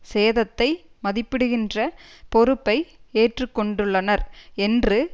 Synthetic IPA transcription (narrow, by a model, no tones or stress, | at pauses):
seːðɐt̪ːɐɪmɐðɪpːɪɽɯɣɪndrɐpɔɾɯpːɐɪeːʈrɯkːɔɳɖɯɭːɐnɐɾɛndrɯ